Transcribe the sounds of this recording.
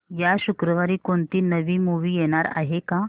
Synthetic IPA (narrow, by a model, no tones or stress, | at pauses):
jaɕukɾəʋaɾiːkoɳt̪iːnəʋiːmuʋiːjeɽ̃aɾa̰ɦekã